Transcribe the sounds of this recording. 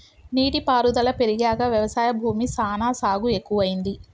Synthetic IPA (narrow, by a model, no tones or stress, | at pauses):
niːʈipaːɾud̪ɐlɐpe̞ɾiɡaːɡɐʋjɐʋɐsaːjɐbʱuːmisaːnaːsaːɡue̞kːuʋɐjind̪i